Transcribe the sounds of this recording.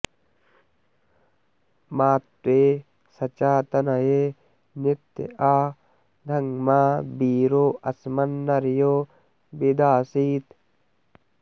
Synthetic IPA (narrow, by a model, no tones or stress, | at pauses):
maːt̪ːweː | sɐt͡ʃaːt̪ɐnɐjeː | nɪt̪ːɪ̰ʔaː | d̪ɐŋmaːbiːɾoːʔɐsmɐnːɐɾɪjoː | bɪd̪aːsiːt̪